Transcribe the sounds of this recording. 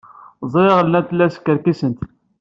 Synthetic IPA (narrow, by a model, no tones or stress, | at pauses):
zˤɾeʁəlnæθlːæskːəɾkisənt̪